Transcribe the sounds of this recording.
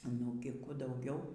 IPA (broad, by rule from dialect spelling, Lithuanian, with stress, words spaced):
nʊɡʲɪ ˈkuː dɐʊˈɡʲɛʊ